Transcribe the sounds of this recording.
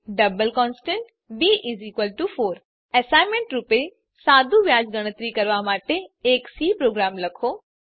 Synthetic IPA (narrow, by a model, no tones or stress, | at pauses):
ɖɐbəlkɔ̃ːnsʈẽɳʈ | biːʔiziːkʋəlʈufoːɾ | ɛːsaːɪmẽɳʈɾʊpe | saːd̪ʱuʋjaːd͡ʑɡɐɽ̃ət̪ɾikɐɾʋamaːʈeːksiːpɾoːɡɾaːmlɐkʰoː